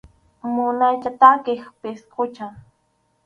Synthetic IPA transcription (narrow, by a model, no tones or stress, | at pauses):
mʊnajt͡ʃat̪akɪχpɪsqʰʊt͡ʃaŋ